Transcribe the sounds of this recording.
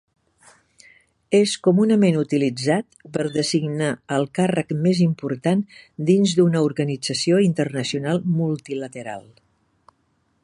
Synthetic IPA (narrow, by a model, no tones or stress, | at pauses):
eskumunəmenut̪ilid͡zat̪pəɾðəziɡnaəlˠkarəkmezimpuɾt̪and̪inzd̪unəuɾɣənid͡zəsioint̪ərnəsiunalˠmulˠt̪ilət̪əɾa̰lˠ